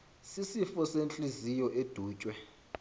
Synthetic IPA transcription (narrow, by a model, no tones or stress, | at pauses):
sisifɔsent͡ɬʼizijɔʔed̥ʱuːt͡ʃʼwɛ